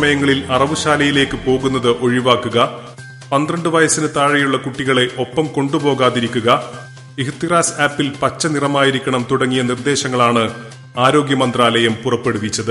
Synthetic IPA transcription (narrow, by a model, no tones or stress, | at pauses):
ɐmɐjɐŋːɐɭilɐrɐʋuɕaːlɐjile̞ːkːɨpo̞ːɣunːɐðɨʔo̞ɻiʋaːkːuɣɐ | pɐnd̪rɐɳɖɨʋɐjɐsinɨt̪aːɻɐjuɭːɐkuʈːiɣɐɭe̞ʔo̞pːɐmko̞ɳɖupo̞ːɣaːðiɾikʲːuɣɐ | ihit̪ːiraːsaːpːilpɐt͡ɕːɐnirɐmaːjiɾikʲːɐɳɐmt̪uɽɐŋːijɐnird̪e̞ːɕɐŋːɐɭaːɳɨ | aːɾo̞ːɡjɐmɐnd̪raːlɐjɐmpurɐpːe̞ɽuʋit͡ɕːɐðɨ